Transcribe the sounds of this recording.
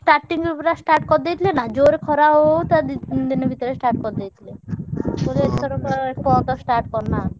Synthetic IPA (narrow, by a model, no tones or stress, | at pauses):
sʈaɾʈːiŋɾupɾasʈaɾʈkɔɾd̪ejt̪ʰilenad͡ʒoɾkʰɔɾaɦot̪ad̪inebʱit̪ɔɾesʈaɾʈkɔɾd̪ejt̪ʰilekolet̪ɔɾɔkɔepɔt̪ɔsʈaɾʈ̚kɔɾna